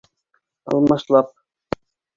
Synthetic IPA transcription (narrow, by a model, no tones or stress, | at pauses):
ɑ̰lˠmɑʃlˠɑp̚